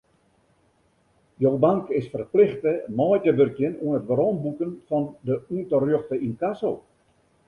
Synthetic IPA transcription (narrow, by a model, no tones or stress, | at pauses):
jowbaŋkɪsfərplɪxtəmɔjkəbørkjənuənətʋəɾɔnbukənfɔndəuntərjøxtəinkasow